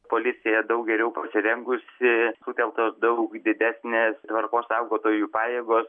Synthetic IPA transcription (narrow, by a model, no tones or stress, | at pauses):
poːlʲɪsʲɪjɛd̪ɐʊk̚ɡʲɛɾʲɛʊpɐsʲɪɾʲɛŋɡʊsʲɪsuːt̪ʲɛlˠt̪osd̪ɐʊkd̪ʲɪd̪ʲæːsʲnʲeːst̪ʋɐrkoːssɑˑʊɡoːt̪oːjuːpɑːjeːɡoːs